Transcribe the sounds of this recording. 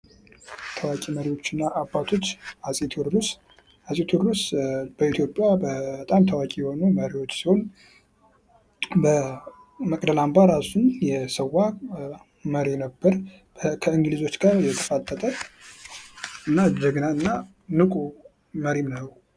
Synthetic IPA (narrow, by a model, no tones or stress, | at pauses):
t̪ʰəwakʼiməɾiwo̞t͡ʃːɪnːaʔːbːat̪ʰo̞t͡ʃːasʼet̪ʰoɾus | asʼet̪ʰuɾɾusb̥əit̪ʰjo̞pʼːjabət̪ʼamt̪ʰawakʼijɛho̞numəɾiwo̞t͡ʃːsihon | bə | məkʼd̪əlambaɾasunjɛsəwːa | məɾenəbːəɾ | kʰəɨŋɡlizo̞t͡ʃːɡaɾjɛt̪ʰə̥fat̪ʼːət̪ʼə | ɨnːad͡ʒəɡnaɨnːa | nɨkʼu | məɾimnəw